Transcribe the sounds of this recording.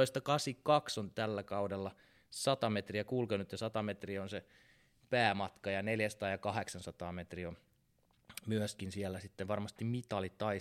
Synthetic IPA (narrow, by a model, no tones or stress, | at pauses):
oist̪ɑkɑsikɑksont̪ælːækɑudelːɑ | sɑt̪ɑmet̪riækulkønyt̪ːesɑt̪ɑmet̪rionse | pæːmɑt̪kɑjɑneljæsɑt̪ɑːjɑkɑheksɑnsɑt̪ɑːmet̪rion | myøskinsiælːˑæsit̪ːeʋʋɑrmɑst̪immit̪ɑlitt̪ɑi